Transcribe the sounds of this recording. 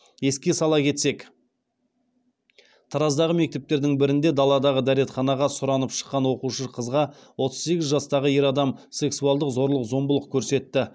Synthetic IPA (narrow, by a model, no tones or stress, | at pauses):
e̞skʲe̞sɑlˠɑkʲʰe̞t̪se̞k | t̪ʰɑɾɑzd̪ɑʁəme̞k̚t̪e̞p̚t̪e̞ɾd̪ɪŋbɪɾɪnd̪e̞d̪ɑlˠɑd̪ɑʁəd̪æɾe̞t̪χɑnɑʁɑsʊɾɑnəpʃə̥qːɑnwo̞quʃəqʰəzʁɑ | wo̞t̪əzse̞ɡʲɪzʒɑst̪ɑʁəje̞ɾɑd̪ɑmse̞ksuɑlˠd̪əqzo̞ɾlˠəqzo̞mbəlˠəq̚kʲʰɵɾse̞t̪ːɪ